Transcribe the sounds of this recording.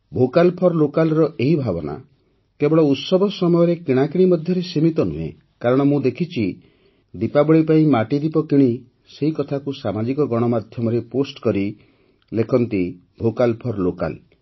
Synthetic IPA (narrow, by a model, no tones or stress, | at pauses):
bʱokalpʰɔɾlokalɾɔeɦibʱabɔna̰ | kebɔɭɔut̪sɔbɔsɔmɔjɔɾekiɽ̃akiɽ̃imɔd̪ʱjɔɾesimit̪ɔnṵɦḛ | kaɾɔɽ̃ɔmũd̪ekʰit͡ʃʰi | d̪ipabɔɭipaĩmaʈid̪ipɔkiɽ̃i | seɦikɔt̪ʰakusamad͡ʒikɔɡɔɽ̃ɔmad̪ʱjɔmɔɾeposʈkɔɾi | lekʰɔnt̪i | bʱokalpʰɔɾloka̰l